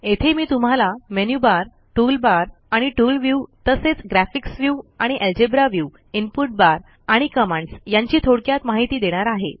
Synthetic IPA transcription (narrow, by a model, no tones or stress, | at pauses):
et̪ʰemiːt̪um̤alamenjubaɾ | ʈuːlbaɾ | aɽ̃iʈuːlʋjuːt̪əset͡sɡɾæfiksʋjuaɽ̃iʔeld͡ʑebɾaʋjuː | inpuʈ̚baɾ | aɽ̃ikəmãɳɖsjaɲt͡ɕiːt̪ʰoɽkjat̪maɦit̪iːd̪eɽ̃aɾaɦḛ